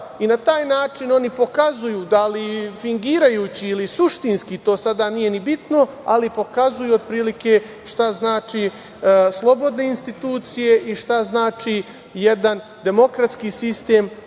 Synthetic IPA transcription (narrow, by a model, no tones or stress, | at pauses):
inat̪aːjnaːt͡ʃino̞nipo̞kazujuːd̪alifiŋɡiːɾajuːt͡ɕiːlisuʃt̪inskit̪o̞ːsad̪anije̞nibit̪no̞a̰lipo̞kazujuod̪̚pɾiːlike̞ | ʃt̪aznaːt͡ʃiː | slˠo̞bo̞d̪ne̞inst̪it̪uːt̪sije̞ʔiʃt̪aznaːt͡ʃi | jed̪an | d̪e̞mo̞kɾat̪skiːsist̪e̞ːm